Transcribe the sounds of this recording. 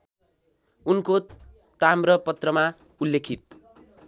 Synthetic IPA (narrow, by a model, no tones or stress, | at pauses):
unko | t̪amrʌpʌt̪rʌma | ulːekʰit̪̚